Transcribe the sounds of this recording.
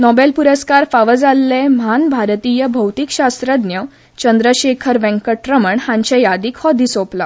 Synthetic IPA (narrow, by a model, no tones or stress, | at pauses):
nɔbelpuɾəskaɾfaʋəd͡zalːemɦanbʱaɾt̪iːjəbʱəwt̪ikɕast̪ɾəd̪njə | t͡ɕənd̪ɾəɕekʰəɾʋɛ̃ŋkəʈɾəməɳhãɲt͡ɕẽjad̪iːkhɔd̪isopla